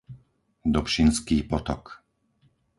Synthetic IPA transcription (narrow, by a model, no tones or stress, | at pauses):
d̪ɔpʃinskiːpɔt̪ɔk